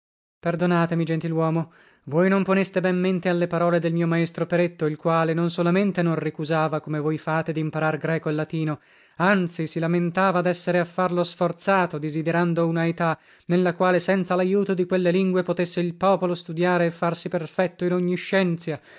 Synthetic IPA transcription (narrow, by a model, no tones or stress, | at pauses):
perd̪onaːt̪emid͡ʒent̪ilwɔːmo | vojnomponest̪ebɛmːent̪ealːepaɾɔːled̪elmiːomaest̪ɾopeɾet̪ːoilkwaːlenonsolament̪enõnrikuzaːvakomevojfaːt̪ed̪iːmpaɾarɡɾɛːkoelːat̪iːno | ant̪sisilament̪aːvad̪ɛsːeɾeafːarlosfort̪saːt̪od̪ezid̪eɾand̪ounaet̪a | nelːakwaːlesɛnt̪salajuːt̪od̪ikwelːeliŋɡwepot̪esːeilpɔːpolost̪ud̪jaːɾeːfːarsiperfɛt̪ːoinoɲːiʃːɛnt̪sja